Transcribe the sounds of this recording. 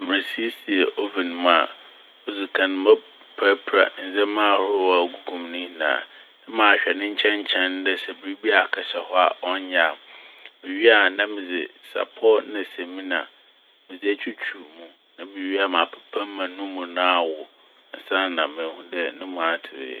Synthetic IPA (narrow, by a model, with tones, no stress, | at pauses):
mɪ˨ɾɪ˨si˦si˨ɛ˨ʔo˦vi˨nɪ̃˨˦m̃˦a̰˨ | ɔ˦zu˨kʰã˨nɪ̃˦mã˦ | pʰa˦pʰɾa̰˨n̩˨zɛ˦mã˦˨hʊ˦wɔ˦˨a˨ɡu˦ɡũ˨mnɪ̃˦˨nã̰ː˨ | nã˦mãː˨ɕᶣɛ˨nɪ̃˦ɲ̩˦t͡ɕʰɛ̃˦ɲ˦t͡ɕʰɛ̃˦n˦dɛ˦sɛ˨bɾi˦bi˦a˨kʰɛ˨ɕɛ˨hɔ˦a̰˨ɔ˦ɲã˨mɪ̃˨ɥi˦a˨nã˦mɪ̃˨d͡zɪ̰˨sa̰˨pʰɔ˦nɪ̃˨sɛ̃˨mĩ˦nã̰˨ | mɪ̃˨d͡zɪ˦æ˦t͡ɕʰᶣu˦t͡ɕʰu˨mũ˦ | nã˦mɪ̃˨ɥi˦a˨mã˨pʰɛ̥˨pʰã˦m˦mã˨nʊ̃˦mũ˨nã˦a˨wʊ˨ | n̩˨sã˦nã˨mɪ̃˨hũ˦dɛ˦nʊ̃˦mʊ̃˨a˨tʰɪ˨ɾɪ̰˨˦˨